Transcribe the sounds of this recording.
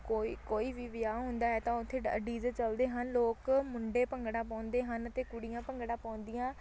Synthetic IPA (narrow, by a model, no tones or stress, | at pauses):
koːikoːiːʋiːʋɪjaːɦʊ̃nd̪aːɛːt̪ãːʊt̪ʰːeːɖiːzət͡ʃəld̪eːɦənloːkmʊɳɖeːpəŋɡɽãːpãːnd̪eːɦənət̪eːkʊɽɪjãːpəŋɡɽãːpãːnd̪ɪjãː